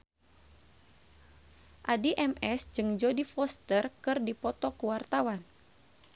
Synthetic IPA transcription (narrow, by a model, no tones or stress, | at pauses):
ʔadiʔɛmɛsd͡ʒɨŋd͡ʒɔdifɔst̪ərkɨrdipɔt̪ɔkuwart̪awan